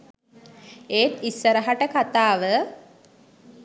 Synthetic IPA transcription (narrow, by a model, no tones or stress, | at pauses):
eːt̪isːəɾəɦaʈəkat̪aːʋə